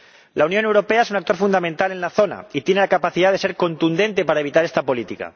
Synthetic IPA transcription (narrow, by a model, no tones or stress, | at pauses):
launjo̞ne̞wɾo̞pe̞ae̞sunak̚t̪o̞ɾfund̪amẽnt̪ale̞nlaθo̞na̰it̪je̞ne̞lakapaθiðaðese̞ɾko̞nt̪und̪e̞nt̪e̞paɾae̞βit̪aɾest̪apo̞lit̪ika̰